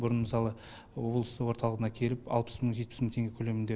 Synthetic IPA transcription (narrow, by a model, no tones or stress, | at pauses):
bʊɾənməsɑlˠə | wo̞blˠəst̪əwo̞ɾt̪ɑlˠəʁənɑkʲʰe̞lɪpɑ̰lˠpə̥sməɴʒet̪̚pɪsməŋt̪ʰe̞ŋɡʲekʲʰɵle̞mɪnd̪e